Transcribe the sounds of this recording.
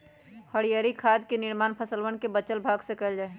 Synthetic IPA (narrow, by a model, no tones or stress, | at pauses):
həɽijaːɾikʰaːd̪kenɪɾmaːnpʰəsəlwənkebət͡ʃəlbʱaːɡsekəld͡ʒaːe